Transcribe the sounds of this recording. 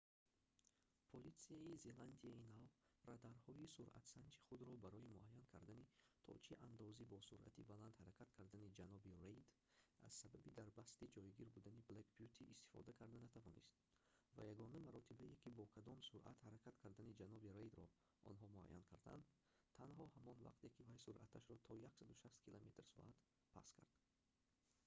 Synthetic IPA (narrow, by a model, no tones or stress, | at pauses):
pʰolit̪siaize̞land̪iainavrad̪aɾhɔisuɾʔa̰t̪sand͡ʒi̥χud̪ɾɔbaɾɔimuʔajːankʰaɾd̪anit̪ʰɔ̰t͡ʃʰiʔand̪ɔzibɔsuɾa̰t̪ʰibaland̪haɾakʰat̪kʰaɾd̪anid͡ʒanɔbirejd̪ | a̰z̥sababid̪aɾbast̪id͡ʒɔjɡiɾbud̪aniblekbijut̪ʰiʔːst̪i̥fɔ̰d̪akʰaɾd̪anat̪ʰavɔnḭst̪ | va̰jaɡɔnamaɾɔt̪ʰibaekʰibɔkʰad̪ɔmsuɾʔa̰t̪haɾakʰat̪kʰaɾd̪anid͡ʒanɔbiɾejd̪ɾɔ̰ | ʔɔ̰nɦɔmua̰jːa̰nkʰaɾd̪a̰nd̪ | t̪ʰːanhɔhamɔnva̰qt̪e̞kivajsuɾʔat̪ʰaʃɾɔt̪ʰɔjaksad̪uʃast̪kʰilʔome̞t̪rsɔ̰ʔat̪ | pʰa̰skʰa̰ɾd̪̥